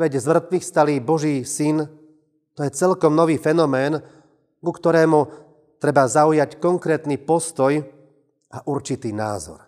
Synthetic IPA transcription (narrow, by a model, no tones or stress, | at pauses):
ʋɛɟzmr̩t̪ʋixst̪aliːbɔʒiːsin | t̪ɔjɛt͡sɛlkɔmnɔʋiːfɛnɔmɛːn | ɡukt̪ɔɾɛːmu | t̪ɾɛbazaujackɔŋkɾɛːt̪nipɔst̪ɔj | ʔaʔuɾt͡ʃit̪iːna̰ːzɔ̰ɾ